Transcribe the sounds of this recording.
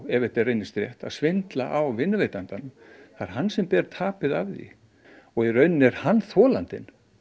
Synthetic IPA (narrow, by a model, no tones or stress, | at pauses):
ɛvɛt̪ɛɾrejnːɪst̪ɾjɛht̪a̰ðsvɪnt̪laʔawvɪnːveːjt̪ant̪anʏmθaɾ̥ɦanːsɛmpɛɾt̪ʰaːpɪðavðḭ | ɔɣirœɥnːɛɾ̥hanːθɔːlant̪ɪ̰n